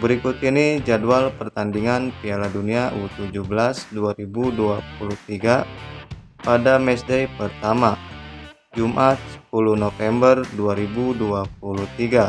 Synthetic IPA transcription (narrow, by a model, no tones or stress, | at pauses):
bəɾikut̪inid͡ʒadualpərt̪andiŋanpialaduniaʔut̪ud͡ʒuhbəlasduaɾibuduap̚uluht̪iɡa | padamɛsdajpərt̪ama | d͡ʒumʔat̪̚pulunofɛmbərduaɾibuduap̚uluht̪iɡa